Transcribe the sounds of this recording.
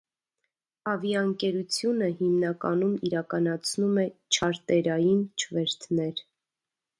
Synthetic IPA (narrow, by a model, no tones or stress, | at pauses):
ɑvjɑəŋkɛɾut͡sʰjunəɦimnɑkɑnumiɾɑkɑnɑt͡sʰnumɛt͡ʃʰɑɾt̪ɛɾɑjint͡ʃʰəvɛɾt̪ʰnɛɾ